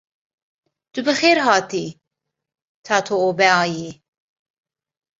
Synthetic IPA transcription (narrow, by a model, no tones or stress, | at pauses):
d̪̥ubɨxeːɾɦɑːt̪ʰi | t̪ʰɑːt̪ʰoobɛɑːji